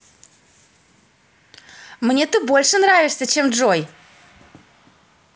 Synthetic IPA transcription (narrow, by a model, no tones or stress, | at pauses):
mnʲe̞t̪ɨbolʲʂɨnravʲɪʂsʲət͡ɕe̞mʐoj